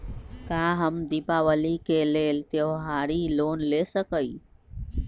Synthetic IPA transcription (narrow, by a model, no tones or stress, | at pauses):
kaɦəmd̪ipaʋəlikeleːlt̪jeʋɦaɾiloːnlesəkəi